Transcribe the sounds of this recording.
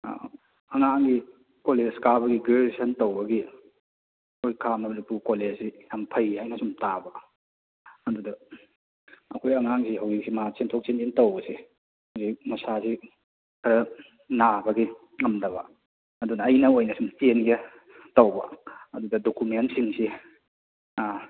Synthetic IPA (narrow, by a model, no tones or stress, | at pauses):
ɐŋaŋɡi | koleskabɐɡiɡeesɐntowbɐɡi | ɐkʰojkʰamnɐmɐnipukoled͡ʒijampʰɐjhajnɐsumtabɐ | ɐdudɐ | ɐkʰojɐŋaŋsiɦawzik̚simat͡ʃentʰok̚t͡ʃenentɐwbɐsi | awzik̚mɐsasi | kʰɐɾɐ | nabɐɡi | ŋɐmdɐβɐ̰ | ɐdunɐːjnɐojnɐsumtenɡɐ | tɐwbɐ̰ɐdudɐdokumensiŋsi